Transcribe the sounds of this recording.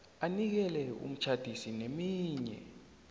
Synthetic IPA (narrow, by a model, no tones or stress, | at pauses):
anik̬ɛlɛṵm̩t͡ʃʰad̥ʱisinemiːɲɛ̰